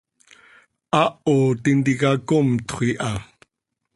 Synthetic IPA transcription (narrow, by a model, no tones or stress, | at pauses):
ʔaʔot̪ind̪ikakomt̪χʷiʔa